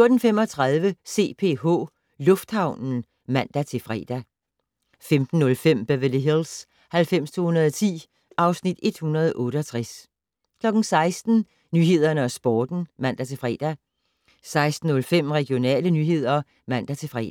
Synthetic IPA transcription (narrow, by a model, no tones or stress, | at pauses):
fjo̝ɐd̥n̩fem̰ɒt͡sʰʁɑ̈ð̞ˠʋəse̝̰ːpʰe̝̰ːɦɔ̰̽ː | lɔ̽fd̥hɑ̈ʊ̰nn̩ | mæn̰d̥æt͡sʰe̝fʁɛ̰ːd̥æ | femd̥n̩ːɔ̽lfem̰b̥eʋeliɦils | hælfem̰st͡sʰo̝ːhunɐðˠɒt͡sʰḭː | ʔɑ̈ʊsnid̥e̝d̥hunɐð̞ˠʔɔ̽ːɾəɒ̽t͡sʰʁas | kʰlɒ̽ɡ̥n̩sɑ̈ɪsd̥n̩ | nyːɦe̝ð̞ˠɐnəɒsb̥ɒːd̥n̩mæn̰d̥æt͡sʰe̝fʁɛ̰d̥æ | sɑ̈ɪsd̥n̩ːɔ̽lfem̰ʁɛɡ̥jo̝nɛ̰ːlənyːɦe̝ð̞̰ˠɐ | mæn̰d̥æt͡sʰe̝fʁɛ̰